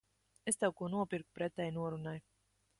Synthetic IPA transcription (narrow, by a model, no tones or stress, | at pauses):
est̪ɛwkuɔnuɔpʲiɾkupɾɛt̪ɛjnuɔɾunaj